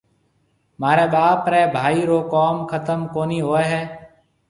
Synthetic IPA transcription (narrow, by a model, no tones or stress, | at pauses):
maːɾeːɓaːpɾeːbʱaːiːɾoːkoːmkʰət̪əmkoːniːɦoːeːɦɛː